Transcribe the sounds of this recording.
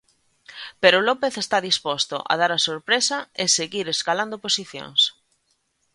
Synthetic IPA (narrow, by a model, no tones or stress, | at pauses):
peɾolɔpeθest̪aðispɔst̪o̰ʔa̰ð̞aɾɐsoɾpɾesɐɪseɣiɾeskaland̪oposiθjo̰ŋs